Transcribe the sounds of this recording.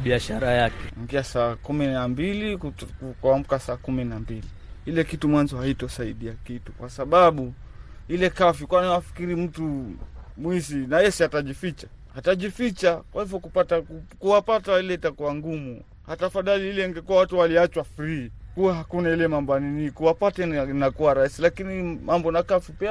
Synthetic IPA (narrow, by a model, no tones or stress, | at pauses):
ɓiaʃaɾajakɛŋɡiasaːkuminambilikkuam̩kasaːkuminambili | ilɛkitumwanzɔhaitɔsaiɗiakitukwasaɓaɓuilɛkafikwanawafi̥kiɾim̩tumwizinajɛsiataʄifit͡ʃa | hataʄifit͡ʃakwahivjɔkupataukuwapatailɛitakuwaŋɡumu | hatafaðaliilɛiŋɡɛkuwawatuwaliat͡ʃwafɾiikuwaɦakunailɛmambɔaninikuwapatɛinakuwaɾaisilakinimambɔnakafipia